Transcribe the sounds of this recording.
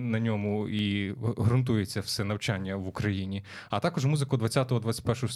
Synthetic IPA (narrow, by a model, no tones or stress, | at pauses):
nɐnʲɔmʊiɦɾʊnt̪ujet͡sʲːɐfsɛnɐwt͡ʃanʲːɐʋʊkɾɐjinʲi | ɐt̪ɑkɔʒmuzɪkʊd̪ʋɐt͡sʲːat̪ɔɦɔd̪ʋat͡sʲsʲɐ̥tʲpɛrʃɔɦɔs